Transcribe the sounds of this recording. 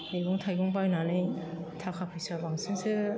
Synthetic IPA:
ejɡɔŋtʰajɡɔŋbajnanɯj | tʰakʰapʰɯjsabaŋsʰɯŋsɯ

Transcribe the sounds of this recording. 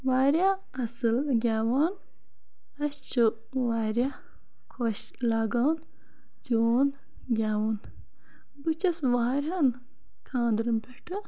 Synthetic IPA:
waːɾʲa | ɐsɨlɡʲaːwaːn | ɐɕt͡ʃʰu | waːɾʲa | kʰoːɕ | laɡɐwn | d͡ʒoːn | ɡʲaːwon | but͡ʃɐsʋaːɾʲɐn | kʰãːnd̪ɾɨmpʰʲeʈʰɨ

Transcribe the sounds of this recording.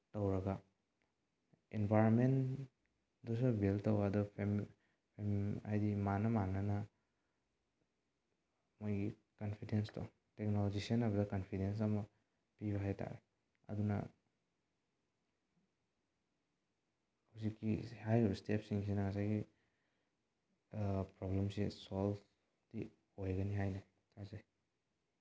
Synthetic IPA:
tɐwɾɐɡa | enbʱajɾonmen | dɔs̬ubiltɐwadɔpʰm | pʰema̰jdimanɐmanɐnɐ | mojɡi | kɐnpʰidenstɔ̰ | tek̚nolɔd͡ʒisɐnɐβɐdɐkɐnpʰidens̬ɐmɐ | piβɐɦajtʰa̰ɾe | ɐ̰dunɐ̰ | hawsikːihajstepsiŋsinɐŋasajɡi | pɾɔblemsesɔl | d̥i | hojɡɐniɦajna | tʰazaj

